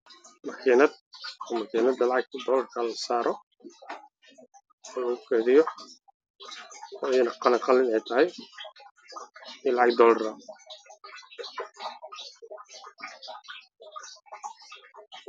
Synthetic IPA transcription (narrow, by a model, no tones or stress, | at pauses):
mɐkʰiːnɐd̪̚ɔmɐkʰiːnɐd̪ɐlɑʕɑɡ̚ʰd̪ɔːlɐrkʰɐlɐsaːɾɔ | ɔːlʊkʰɛðɪjɔ | ɔːjɐnɐqɑnɐqɑlɪnɛjt̪ʰɐɦɛj | ɪlɑʕɑɡ̚d̪ɔːlɐɾɐ